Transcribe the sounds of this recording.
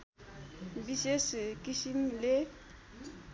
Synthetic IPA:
biseskisimle

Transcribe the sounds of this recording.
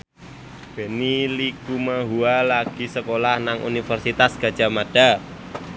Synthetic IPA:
b̥e̤nilikumaɦualaɡ̥i̤səkolahnaŋʔṵnifərsit̪asɡ̥a̤d̥ʒ̥a̤mad̥a̤

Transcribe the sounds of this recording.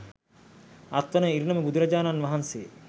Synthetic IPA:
ɐt̪ʋɐnəiɾnɐməbud̪ʱuɾɐd͡ʒaːnanʋɐɦɐnseə

